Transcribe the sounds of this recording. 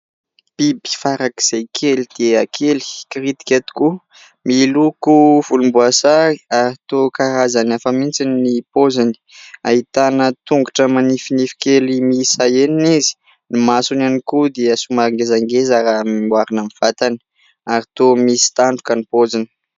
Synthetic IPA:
b̥ibi̥faɾaki̥z̥ejkʰelid̪̥eakʰeli̥kiɾit̪i̥kʲet̪i̥ku | milukuv̥ulumbuasai̥aɾit̪okaɾazanafəmint͡sininipozani̥aɦit̪anət̪uŋɡaʈ͡ʂəmanifinifi̥kelimisajeninizi̥ | nimasunanikud̪eəsumaɾaŋɡezaŋɡezaɾamimwaɾinamiv̥at̪ani̥ | aɾit̪omisi̥t̪aɳɖ͡ʐukanipozini̥

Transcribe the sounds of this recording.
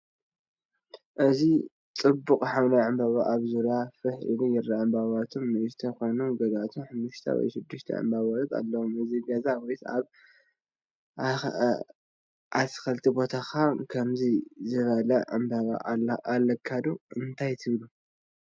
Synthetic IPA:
ʔɨzi | t͡sʼɨbːukʼħawnaʕɨmbaβaʔaβzuɾjafɨħḭlujɪɾːaʔɨmbaβat̪ʰomːɨzɨt̪ʰɐxonuɡɐɡat̪ʰunħɨmːuʃt̪ʰɐ̰wɔ̰jʃɪd̪ːɨʃt̪ʰɐ̰ʕɨ̰mbaβaɾɐt̪ʰʼa̰lːɐwomɨziɡɐzawɔjt̪a̰β | ʔa̰t̪xɐlt̪ʰibo̞t̪ʰaxakʰɐmzizɨβɐlɐʕɨ̰mbaβa̰ʔalɐkʰːad̪uɨnt̪ʰajt̪ʰɨβlu

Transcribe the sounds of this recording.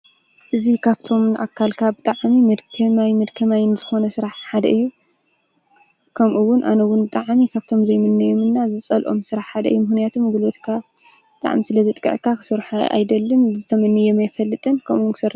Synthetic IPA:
ʔɨzikʰaβt̪ʰo̞mʔa̰kʰːalkʰabɨt̪ʼaʕmimɐd̪kʰɐmajmɐd̪kʰɐmajnzɨxo̞nɐsɨɾaħħad̪ɐʔɨjːu | kʰɐmʔuwʊnʔa̰nɐwʊnbɨt̪ʼaʕmikʰaβt̪ʰo̞mzɐjmɨnːɐjo̞mɨnːazɨt͡sʼɐlʔo̞̰msɨɾaħħad̪ɐ̰ʔɨ̰jːumɨxnijat̪ʰomɡulo̞t̪kʰa | bɨt̪ʼa̰ʕmisɨlɐzɐt̪ʼkʼɐ̰ʕkʰakʰɨ̥soɾħaʔa̰jd̪ɐlːɨnzɨt̪ʰɐmɐnːɨjɛmajfɐlːɨt̪ʼɨnkʰɐmʔuwkʰɨ̥sɐɾ

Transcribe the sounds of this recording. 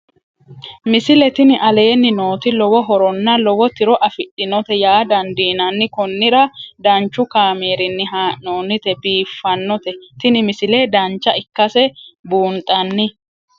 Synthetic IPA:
mɪsɪlɛt̪ɪnɪʔɐle̞ːnːɪnoːt̪ɪlɔwɔɦɔɾɔnːɐlɔwɔt̪ɪɾɔʔɐfɪɗɪnɔt̪ɛjaːd̪ɐnd̪iːnɐnːɪkɔnːɪɾɐd̪ɐnt͡ʃːʊkaːmeːɾɪnːɪɦaːʔnoːnɪt̪ɛbiːfːɐnːɔt̪ɛt̪ɪnɪmɪsɪle̞ːd̪ɐnt͡ʃːɐʔɪkːɐsɛbuːnt̪ʼɐnːɪ

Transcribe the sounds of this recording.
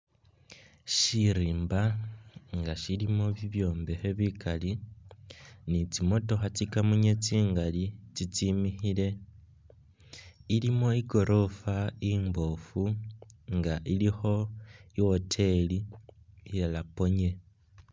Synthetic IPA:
ʃiɾiːmba | ŋɡaʃilimoβiβjo̞ːmbeheβikali | nit͡simo̞to̞xat͡sikamuɲet͡siːŋɡalit͡sit͡simixile̞ | ilimo̞iɡo̞ɾʔo̞faimbo̞fuŋɡaʔilixo̞iotʰe̞li | jalapo̞ɲe̞

